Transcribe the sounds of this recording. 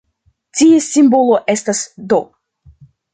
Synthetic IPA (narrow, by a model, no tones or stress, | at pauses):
tiesimbo̞lo̞ʔe̞stasdo